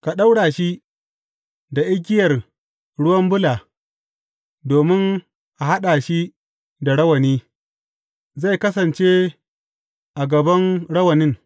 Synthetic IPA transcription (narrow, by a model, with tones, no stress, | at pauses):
ka˨ɗa˦wɽaː˨ʃi˦ | da˨ʔɪ˦ɡ̬ʲɪ˦jɐ˨r | ɽʊ˦wɐ˦mbʊ˦laː˨ | doː˨mɪ˦ŋ | ʔa˨ɦa˦ɗaː˨ʃi˦ | da˨ɽɐ˦wɐ˨niː˦ | za˦˨jkɐ˦sɐ˨nt͡ʃe˦ | ʔa˨ɡɐ˨bɐ˦ŋɽɐ˦wɐ˨nɪ˦ŋ